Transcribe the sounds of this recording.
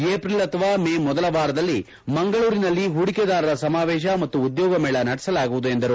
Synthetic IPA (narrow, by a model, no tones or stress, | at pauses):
eːpɾilɐt̪ɐʋaːmeːmɔd̪ɐlɐʋaːɾɐd̪ɐlːi | mɐŋɡɐɭuːɾinɐlːiɦuɽiked̪aːɾɐɾɐsɐmaːʋɛːʃ̬ɐmɐt̪ːuːd̪jɔːɡɐmeːɭɐnɐɽɛsɐlaːɡuʋud̪uend̪ɐɾu